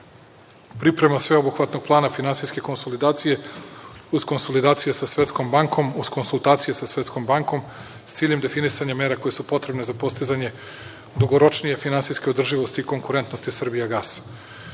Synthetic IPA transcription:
pɾipɾe̞masʋeobuxʋat̪no̞ɡ̚plˠaːnafinansijske̞ko̞nsolid̪aːt̪sije̞ | uzko̞nsolid̪aːt̪sijesasʋe̞t̪sko̞mbaŋko̞muz̥ko̞nsulˠt̪aːt̪sije̞sasʋe̞t̪sko̞mbaŋko̞m | st̪siːʎemd̪e̞finisaɲame̞ːɾako̞jesupo̞t̪ɾe̞bne̞zapo̞st̪izaɲe̞ | d̪uɡoɾo̞t͡ʃnije̞finansijske̞od̪r̩ʒiʋo̞st̪iːko̞ŋkuɾe̞nt̪nost̪isr̩bijaɡaːsḁ

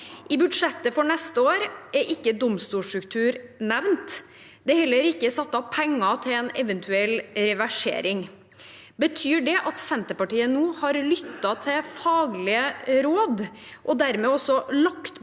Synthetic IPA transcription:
ʔɪbʉd̪ʂɛt̪ːəfɔɳɛst̪əoːɾɛɾʔɪkːəd̪ɔmst̪uːʂtɾʉkt̪ʰʉːɾnɛʋnt̪ | d̪ɛhɛlːəɾɪkːəɛsɑt̪ːɑpʰɛŋːɑt̪ʰɪlɛnɛʋənt̪ʰʉɛlːɾɛʋæʂḛːɾɪŋ | bət̪ʰyːɖɛʔɑt̪sɛnt̪əpɑʈiːənuːhɑɾlʏt̪ːɑt̪ʰɛfɑːɡlɪəɾoːd̪ʔɔd̪æɾmeːɔsɔlɑkt̪

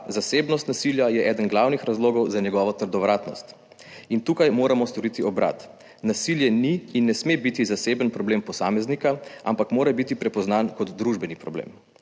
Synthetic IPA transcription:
zaseːbnɔst̪nasiljajɛʔɛːd̪ənɡlawnixɾazloːɡɔwzaɲɛɡɔʋɔt̪əɾd̪ɔʋɾaːt̪nɔ̰st̪ | int̪uːkajmoːɾamɔst̪ɔɾit̪iɔbɾa̰ːt̪ | nasiljɛniːnːɛsmebit̪izaseːbənpɾɔbleːmpɔsaːmɛznikaʔa̰mpakmoːɾɛbit̪ipɾɛpɔznaːnkɔd̪ːɾuʒbɛnipɾɔblḛm

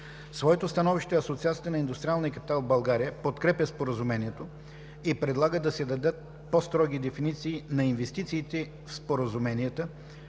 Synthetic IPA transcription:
svɔɛt̪ost̪ɐnɔviʃt̪ɛɐsot̪siat̪sʲiəənɐind̪ʊst̪ɾialˠniəkɐpi̥t̪alˠvbɐlˠɡaɾijəpot̪kɾɛpʲəspoɾəzumɛniɛt̪o | ipɾɛd̪lˠaɡəd̪ɐsɛd̪ɐd̪ɤt̪̚ | post̪ɾɔɡ̟id̪ɛfinit̪siːnɐinvɛst̪it̪siːt̪ɛ | fspoɾəzumɛniət̪ə

